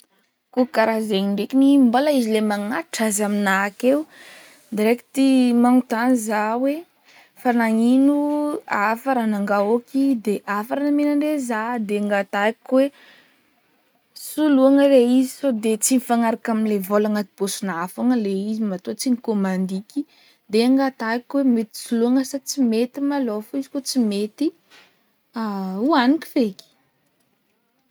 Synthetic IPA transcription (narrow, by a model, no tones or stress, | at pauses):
kukaɾazeɲiɳɖ͡ʐekinimbolaizilemaŋaʈ͡ʂazaminakew | d̪eɾeki̥t̪imanut̪anizawe | fanaŋinuafaɾanaŋɡaokid̪eʔafaɾanamenaɳɖ͡ʐezad̪eŋɡat̪aakwe | suluaŋəɾeizisod̪et͡sinifaŋaɾakaminlevolaŋat̪ib̥osunaafaŋəleizimat̪ot͡sinikomand̪ikʲi | d̪eaŋɡat̪akʲwemet̪i̥suluaŋəsat͡simet̪imalofuizi̥kot͡simet̪i | auaniki̥fekʲi̥